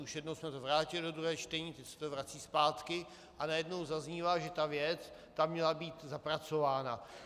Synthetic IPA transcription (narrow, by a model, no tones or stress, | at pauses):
uʃjɛdnowsmɛt̪ovɾaːcɪlɪdo̞d̪ɾuɦɛːt͡ʃt̪ɛɲiːt̪ɛcsɛ̥t̪ovɾat͡siːspaːt̪kɪ | ʔanajɛdno̞wzazɲiːvaːʒɛt̪avjɛt͡s | t̪amɲɛlabiːt̪zapɾat͡so̞vaːna